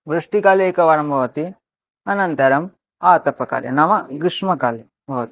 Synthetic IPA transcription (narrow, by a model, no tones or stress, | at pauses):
bɾuʂʈikaːlejkɐʋaːɾɐmbʱɐʋɐt̪i | ɐnɐnt̪ɐɾɐm | aːt̪ɐpɐka̰ːljɐ̰nɐmɐɡɾiʂmɐkaːle | bʱɐʋɐt̪i̥